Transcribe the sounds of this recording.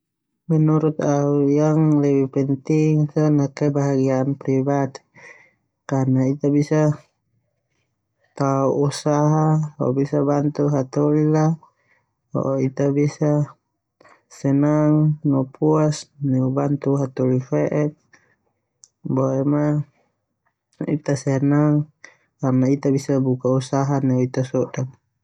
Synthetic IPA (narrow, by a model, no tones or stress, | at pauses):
mɛnuɾut̪̚aujaŋlɛwipɛnt̪iŋt̪ɔnakɛbaɦaɡiaːnpɾibat̪ | karnait̪abisa | t̪auʔusaɦahɔ̰bisabant̪uɦat̪ɔlila | bɔ̰ʔit̪abisa | sɛnaŋnɔpuasnɛubant̪uɦat̪ɔlifɛʔɛk̚ | bɔɛma | ḭt̪asɛnaŋ | karnait̪abisabukausaɦanɛuit̪asɔdan